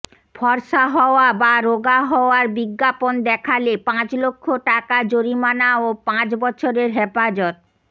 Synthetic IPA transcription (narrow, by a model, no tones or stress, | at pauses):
fʰɔɾʃaɦɔoabaɾoɡaɦɔoaɾbiɡːapond̪ɛkʰalepãt͡ɕlokʰːoʈakad͡ʑoɾimanaopãt͡ɕbɔt͡ɕʰoɾeɾɦepad͡ʑɔt̪̚